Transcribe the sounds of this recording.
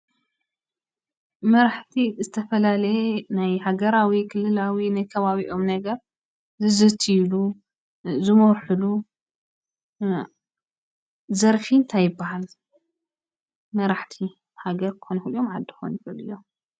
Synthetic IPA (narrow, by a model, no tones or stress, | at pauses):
mɐɾaħt̪ʰizɨt̪ʰɐfɐlalɐjenajhaɡɐɾawikʰɨlːɨlawinajkʰɐβaβiʔo̞mnɐɡɐɾ | zɨzɨt̪ʰilu | zɨmɐwħɨlu | zɐɾfint̪ʰajɨbːahal | mɐɾaħt̪ʰi | haɡɐɾkxonfɨlːomʕad̪ːixonfɨlɨjom